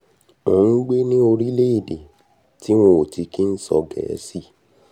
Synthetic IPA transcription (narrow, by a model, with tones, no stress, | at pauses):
õ˨ũ˦ɡ͡be˦nĩ˦o˧ɾi˦le˦i˦˨de˨ | ti˦w̃õ˧o˨ti˧ki˦n̩˦sɔ˧ɡɛ̰˨˦si˦